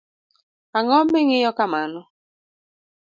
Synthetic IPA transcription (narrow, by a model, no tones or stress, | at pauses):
aŋɔmbɪŋɪjɔkamanɔ